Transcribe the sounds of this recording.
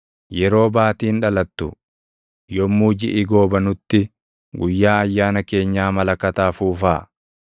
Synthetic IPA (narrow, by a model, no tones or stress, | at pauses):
jɛɾo̞ːbaːt̪iːnᶑɐlɐt̪ːʊ̰ | jɔmːuːd͡ʒɪʔɪɡo̞ːbɐnʊt̪ːɪ | ɡʊjːaːɐjːaːnɐke̞ːɲːaːmɐlɐkɐt̪aːfuːfaː